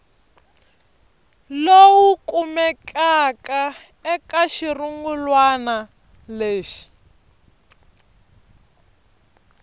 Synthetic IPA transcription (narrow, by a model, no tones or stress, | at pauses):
lowukumɛkaka | ɛkaʃiruŋɡulwana | leːʃi̥